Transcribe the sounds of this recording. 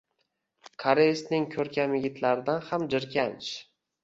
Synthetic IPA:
kʰaɾesnɪŋkʲʰɵɾkʲʰamjɪɡʲɪt̪ʰlaɾɪd̪anhamd͡ʒɪɾkʲʰant͡ʃ

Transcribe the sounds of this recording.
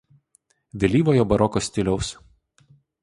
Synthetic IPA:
ʋʲɛlʲiːʋoːjoːbɐɾɔkoːsʲt̪ʲɪlʲɛʊs

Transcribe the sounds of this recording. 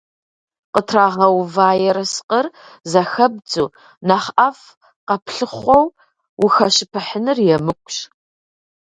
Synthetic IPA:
qətʰraːʁɐwvaːjɛɾɐsqɐr | zɐxɐb̚d͡zʼuː | nɐχɐf | qɐpʰɬɨχʷɔw | wʊxɐɕɪpʰɨħənɨrjɛmɨkʷʼɕ

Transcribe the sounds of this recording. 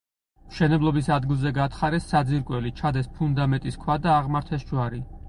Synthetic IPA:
mʃɛnɛblˠɔbisad̪ɡilˠzɛɡat̪ʰχaɾɛsːad̪ziɾkʼwɛlit͡ʃʰad̪ɛspʰund̪amɛnt̪ʼiskʰwad̪aːʁmaɾt̪ʰɛsd͡ʒwaɾi

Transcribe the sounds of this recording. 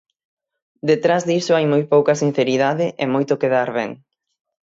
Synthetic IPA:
d̪et̪ɾazðisʊajmojpowkɐsin̟θeɾiðaðɪʔemojt̪ʊkeðaɾβɛŋ

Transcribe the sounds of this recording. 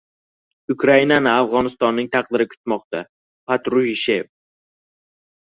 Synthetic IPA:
ʊkʰɾainanɪafʁɒnɪst̪ɒnːɪŋt̪ʰaq̚d̪ɪɾɪkʰʊ̥t̪mɒqt̪a | pʰat̪ɾʊhʃev

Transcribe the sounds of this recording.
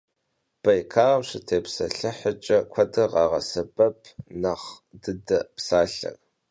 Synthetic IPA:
b̥ɐjkʰaːʁɐmɕɪtʰeːpsɐɬɨħət͡ʃʼɐkʷʰɐdɐʁɑːʁɐ̰sɐbʼɐpʰnɐχdɨdɐpsaːɬɐ̰r

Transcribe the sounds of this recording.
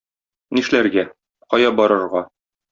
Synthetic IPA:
niʃlæɾɡæ | qɒjɑbɒɾɤ̆ɾʁɑ

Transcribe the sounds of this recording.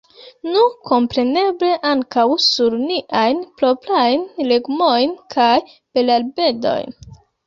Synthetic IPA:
nuko̞mpɾe̞ne̞ble̞ʔaŋkawsuɾniʔajnploplajnleɡmojnkʰaj | b̥e̞lalbe̞do̞̰jn

